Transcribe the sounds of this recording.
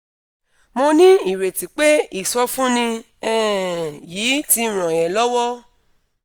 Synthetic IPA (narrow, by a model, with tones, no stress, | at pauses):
mo˧nĩ˦i˨ɾe˨ti˨k͡pe˦i˨sɔ˧fũ˦nĩ˧ | ɛ˦˨jiː˨˦ti˧ɾ̃ã˨jɛ̃˨lɔ˦wɔ˦